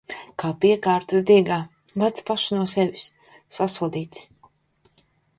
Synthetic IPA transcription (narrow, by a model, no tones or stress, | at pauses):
kaːpiɛkaːɾt̪ɨsd̪iɛɡaː | vat̪spaʃnuɔsɛvʲisː | asuɔd̪iːt̪s